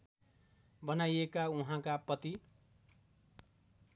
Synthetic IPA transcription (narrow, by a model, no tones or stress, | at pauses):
bʌnajekauɦãkapʌt̪i